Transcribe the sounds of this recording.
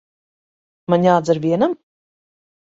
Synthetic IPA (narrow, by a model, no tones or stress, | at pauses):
maɲaːd̪zaɾvʲiɛnam